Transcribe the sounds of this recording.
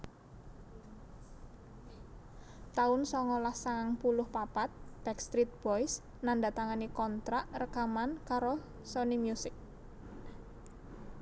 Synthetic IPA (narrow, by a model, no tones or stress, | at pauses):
t̪aʊnsɔŋɔlahsaŋaŋpulʊhpapat̪̚b̥ɛkst̪ɾit̪̚b̥ɔjs | nanda̤t̪aŋanikɔnt̪ɾaʔrəkamankaɾo | sonimjusɪk̚